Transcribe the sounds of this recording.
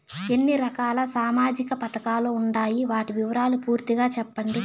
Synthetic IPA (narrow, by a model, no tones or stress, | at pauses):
e̞nːiɾɐkaːlɐsaːmaːd͡ʒikɐpɐt̪ɐkaːloːuɳɖaːjiʋaːʈiʋiʋɐɾaːlupuːɾt̪iɡaːt͡ʃɛpːɐɳɖi